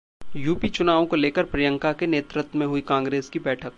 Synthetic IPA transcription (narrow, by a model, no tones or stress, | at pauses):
juːpit͡ʃʊnaːʋõkoleːkəɾpɾɐjə̃ŋkakeneːt̪ɾət̪mẽɦʊikãːŋɡɾeːskibɛːʈʰək̚